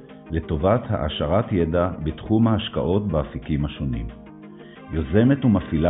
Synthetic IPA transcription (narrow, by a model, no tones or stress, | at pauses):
le̞to̞vatha̰ʔa̰ʃaʁatjedabetχumhaːʃka̰ʔo̞tbaafikimhaʃo̞nḭm | joze̞me̞tumafila